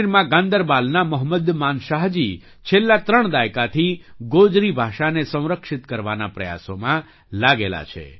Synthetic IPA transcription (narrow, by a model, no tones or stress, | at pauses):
ɾmãɡãnd̪əɾbalnaməɦməd̪manʃaɦd͡ʒi | t͡ʃʰelːat̪ɾəɳd̪ajkat̪ʰiɡod͡ʒɾibʱaʃanesə̃w̃ɾəkʃɪt̪kəɾʋanapɾəja̰somã | laɡela̰t͡ʃʰḛ